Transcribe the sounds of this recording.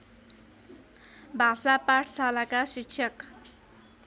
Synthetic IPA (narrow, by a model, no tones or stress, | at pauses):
bʱasapaʈʰsalakasikɕʰʌk